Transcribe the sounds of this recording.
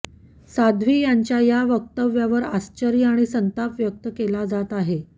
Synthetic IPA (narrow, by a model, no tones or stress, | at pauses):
sad̪ʱʋiːjaɲt͡ɕjajaʋək̚t̪əʋjaʋəɾast͡ɕəɾijəaɽ̃isənt̪apʋjək̚t̪əkelad͡zat̪aɦe